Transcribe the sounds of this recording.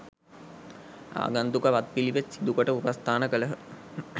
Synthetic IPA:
a̰ːɡand̪ukəʋat̪̚piliʋetsid̪ukoʈəupast̪ʰaːnəkələɦə

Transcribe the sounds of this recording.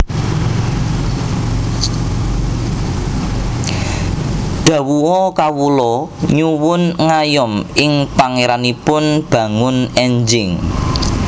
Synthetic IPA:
ɖ̪̥ä̤wuɔkawulɔɲuwʊnŋajɔmɪŋpaŋeɾanipʊnb̥ä̤ŋʊnɛɲd͡ʒɪŋ

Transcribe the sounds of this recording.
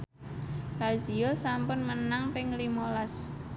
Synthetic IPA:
hazijosampʊnmənaŋpɪŋlimolas

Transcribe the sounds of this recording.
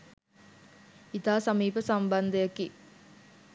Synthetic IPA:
it̪aːsamiːpəsamband̪əjaki

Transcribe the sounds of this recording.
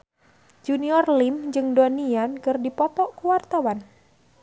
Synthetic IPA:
d͡ʒuniɔrlimd͡ʒɨŋdɔniankɨrdipɔpɔʔkuwart̪awan

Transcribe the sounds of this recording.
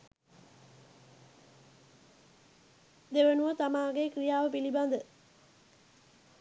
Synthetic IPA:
d̪eʋənuʋət̪amaːɡekrijaːʋəpiliband̪ə

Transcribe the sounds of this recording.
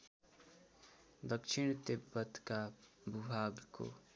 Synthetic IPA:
d̪ʌkt͡ʃʰiɳ̃t̪ebʌt̪kabʱubʱaɡko̰

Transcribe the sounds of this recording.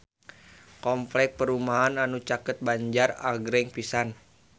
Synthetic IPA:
kɔmplɛk̚pəɾumaɦananut͡ʃakət̪̚baɲd͡ʒara̰ɡɾɛŋpisan

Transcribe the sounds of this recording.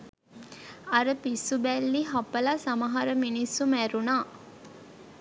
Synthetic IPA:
ɐɾəpisːubælːiɦapəlasamɐɦaɾəminisːumæɾunaː

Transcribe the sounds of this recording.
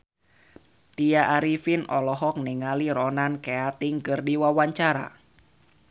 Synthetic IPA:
t̪iaʔaɾifinɔlɔɦɔk̚niŋaliɾɔnankeat̪iŋkɨrdiwawaɲt͡ʃaɾa̰

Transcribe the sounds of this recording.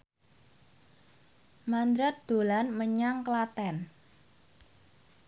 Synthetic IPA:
mand̪ɾat̪̚d̪̥o̤lanməɲaŋklat̪ɛn

